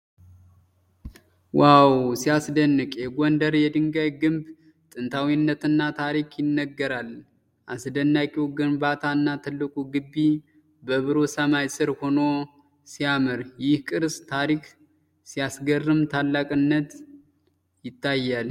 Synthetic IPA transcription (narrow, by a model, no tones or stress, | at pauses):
wawsijasd̪ənːɨkʼjɛɡɔnd̪əɾjɛd̪ɨŋɡaβɡɨmb | t̪ʼɨnt̪ʰawinːət̪ɨnːat̪ʰaɾikʰjɪnːəɡːəɾal | ʔasd̪ənːakʼiwɡɨmbat̪ʰaɨnːat̪ʰɨlːɨkʼuɡɨbːi | bəβɨɾo̞səmajsɨɾho̞no̞ | sijamɨɾjɪhkʼɨɾst̪ʰaɾik | sijasɡərːɨmt̪ʰalːakʼɨnːət̪ | jɪt̪ʰːajːal